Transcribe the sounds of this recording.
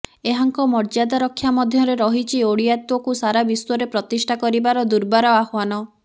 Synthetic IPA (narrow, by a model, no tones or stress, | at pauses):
eɦaŋkɔmɔɾd͡ʒad̪aɾɔkʰːjamɔd̪ʱjɔɾeɾɔɦit͡ʃʰioɽijat̪wɔkusaɾabisɔɾepɾɔt̪isʈʰakɔɾibaɾɔd̪uɾbaɾɔahwanɔ